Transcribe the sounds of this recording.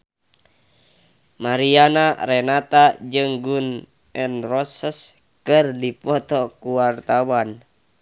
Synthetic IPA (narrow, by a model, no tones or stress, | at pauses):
maɾianaɾɛnat̪ad͡ʒɨŋɡun | ɛnrɔsəs | kɨrdipɔt̪ɔkuwart̪awan